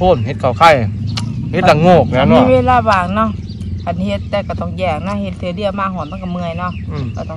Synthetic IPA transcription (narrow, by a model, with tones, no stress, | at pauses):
o˧˥˩nhe˧t̪̚kʰaː˨˩kʰa˧˩j | he˧˦t̪̚la˧˩ŋoː˧˩k̚nɛː˧˥˨nɔ˧˨˧ʋeː˧˨laː˧baː˨˩ŋnɔ˧˥˨ | kʰa˨nhe˧t̪ːɛː˧˩ka˧˩t̪ɔ˧˩ŋjɛː˧˩ŋ̚na˧˥he˧t̪̚ʰːɯː˧˦di˧˩əmaː˧˨hɔː˨˦nma˧˥˨ka˧˩mɯ˧əjnɔ˧˥˨ka˧˩t̪ɔ˧˨